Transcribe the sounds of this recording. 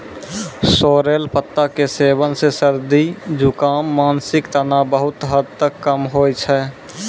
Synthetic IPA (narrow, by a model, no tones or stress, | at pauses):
soːɾeːlpət̪ːakeseːbənsesəɾd̪id͡ʒʊkaːmːaːnsɪkt̪ənabəɦʊt̪ɦəd̪̚t̪əkːəmɦoːjt͡ʃʰɛː